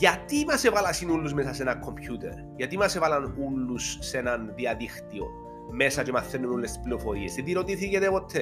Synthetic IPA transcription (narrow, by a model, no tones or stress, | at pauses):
ʝɐt̪imɐsevɐlɐsinulːuzmesɐsenɐŋkʰːo̞mpçut̪e̞̰ɾ | ʝɐt̪imɐsevɐlɐnulːusːenɐnðiɐðixt̪io̞̰ | me̞sɐt͡ʃemɐθːenːunulːest̪i̥spliofo̞ɾisðend̪iɾo̞t̪iθicet̪epot̪ʰːe